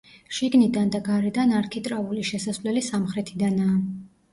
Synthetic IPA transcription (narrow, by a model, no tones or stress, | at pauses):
ʃiɡnid̪and̪aɡaɾɛd̪anaɾkʰit̪ʼɾauliʃɛsasvlɛlisamχɾɛt̪ʰid̪anaː